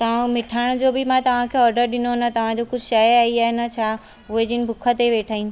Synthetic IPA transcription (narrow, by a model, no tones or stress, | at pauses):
t̪ɐʋ̤ãmɪʈʰaːɪɽ̃d͡ʑoːbɪmãt̪ɐʋ̤ãkʰeːɔːɾɖəɾɗɪnonət̪ɐʋ̤ãd͡ʑokʊd͡ʑʱʃaːjəaːɦiaːɦenɐt͡ɕʰaː | ʊɦed͡ʑinɪ̆bʱʊkʰət̪eʋeːʈʰaːiːn̆